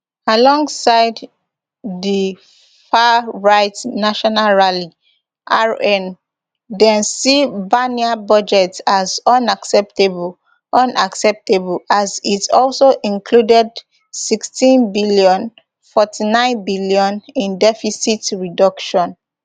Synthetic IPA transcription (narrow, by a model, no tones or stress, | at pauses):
alɔ̃ŋɡsaɪd | ði | faɹaɪtnaʃɔnalɹali | ʔaɹɛ̃n | dɛ̃nsibaniabɔd͡ʒɛtsazʌ̃naksɛp̚tebul | ʔʌ̃nʔaksɛp̚tebulazitɔlsoʔĩnkʰludɛd | sikstĩnbiljɔ̃n | fɔtʰinãɪ̃nbiljɔ̃nĩndɛfisitɹidɔkʃɔ̃n